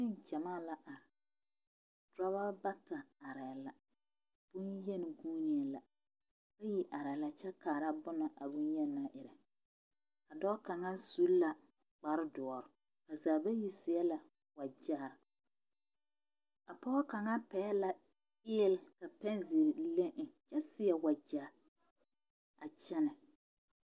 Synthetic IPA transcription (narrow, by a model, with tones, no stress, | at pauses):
ɪ˦nt͡ʃɛ˨maː˦la˨ʔa˨ɾɪ˨ | dɾa˦βa˦ba˦ta˨a˨ɾɛ˨la˨ | b̥ʊ˦njɛ˦nɪ˨ɡuː˦ni˨a˨la˨ | ba˦ji˨ʔa˨ɾɛ˨la˨t͡ʃɛ˦kaː˨ɾa˦bʊ˦na˨ʔa˨bʊ˦njɛ˦na˦ʔɪ˨ɾa˨ | ka˨dɔː˦ka˨ŋa˦su˦lla˨ | k͡pa˨ɾdɔ˨ɔ˨ɾʊ˨ | ka˨zaː˨ba˦ji˦sɪ˨ɛ˦la˨ | wa˨d͡ʒa˦˨ɾ | a˨pɔ˦ɔ˦ka˨ŋa˦pɛ˨˦la˨ | ɪː˦ɛ˦˨lka˨pɛ˦nzi˨ɾle˦ʔɪ˨t͡ʃɛ˦sɪ˦jɛ˨wa˨d͡ʒaː˨ɾ | a˨t͡ʃɛ˦nɪ˨